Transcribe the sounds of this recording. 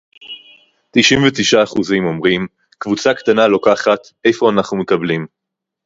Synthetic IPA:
t̪iʃimvetiʃaːχuzimo̞mʁim | kvut͡sakt̪analokaχat̪ | ʔe̞jfo̞anaχnumekablim

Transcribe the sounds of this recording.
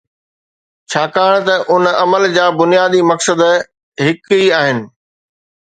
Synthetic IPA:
t͡ɕʰaːkaːəɽ̃t̪ɐʔʊnɐməld͡ʑaːbʊnijaːd̪imɐksəd̪ | ɦɪkiaːɦɪnɪ̆

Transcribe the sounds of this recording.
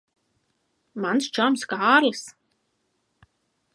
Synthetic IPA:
manst͡ʃamsɡaarls

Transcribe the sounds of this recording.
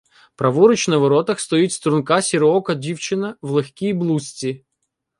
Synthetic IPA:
pɾɐʋɔɾʊt͡ʃnɐʋɐɾɔt̪ɐxst̪ɔitʲst̪ɾʊnkasʲɪɾɔkɐdʲiwt͡ʃɪnɐvlˠɐxʲkʲijblˠusʲtʲi

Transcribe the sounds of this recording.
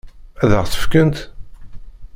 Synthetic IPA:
æðəʁθə̥fkənt̪

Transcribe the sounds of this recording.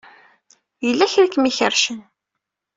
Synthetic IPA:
jəlːæçɾækːmiçəɾʃən

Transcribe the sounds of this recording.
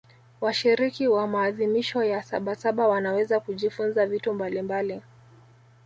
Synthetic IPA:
waʃiɾikiwamaːðimiʃɔjasaɓasaɓawanawɛzakuʄifunzavitɔmbalimbali

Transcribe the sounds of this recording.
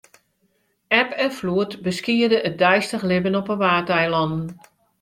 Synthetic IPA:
ɛpɛnfluətbəskiədəʔət̚dɛjstəχlɪbənɔpəʋaːtɛjlɑndn̩

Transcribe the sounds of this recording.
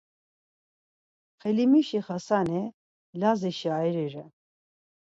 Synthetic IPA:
χɛlimiʃiχasanɛ | laziʃiajɾɛɾɛ

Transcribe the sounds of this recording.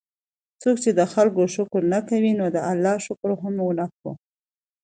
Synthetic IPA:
t͡sokt͡ʃed̪əxalkoʃʊkɾnakawinod̪əalːɑʃʊkɾoɦamwnak̚wṵ

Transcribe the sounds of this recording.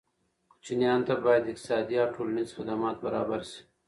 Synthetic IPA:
kʊ̥t͡ʃinjɑːnt̪abɑːjad̪ɪqt̪ɪ̥sɑːd̪iawʈʰoːlanizxɪd̪amɑːt̪̚bɐɾɑːbaɾsi̥

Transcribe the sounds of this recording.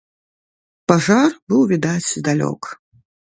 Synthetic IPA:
paʐarbɨwvʲid̪at͡sʲd̪alʲɔ̰k

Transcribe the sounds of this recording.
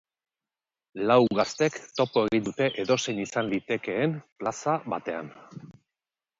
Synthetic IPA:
lawɣast̪e̞kt̪o̞po̞e̞ɣind̪ut̪e̞ʔeðo̞se̞ɲisanlit̪e̞ke̞ːmplasaβat̪e̞a̰n

